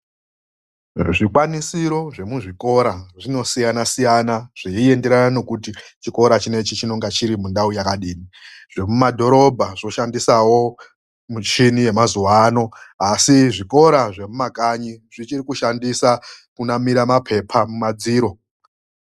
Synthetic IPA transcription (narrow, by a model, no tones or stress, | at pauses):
ʐikwanisiɾo̞ʐe̞muʐiko̞ɾaʐino̞sijanasijanaʐ̥iie̞nde̞ɾanano̞kutit͡ʃiko̞ɾat͡ʃine̞t͡ʃit͡ʃino̞ŋɡat͡ʃiɾimundaujakaɗiːniʐ̥e̞mumadʱo̞ɾo̞bʱaʐo̞ʃandisawo̞ | mut͡ʃinije̞mazuwaːno̞asiʐiko̞ɾaʐe̞mumakaɲiʐ̥it͡ʃirikuʃandisakunamiɾamapʰe̞pʰamumad͡ziːɾo̞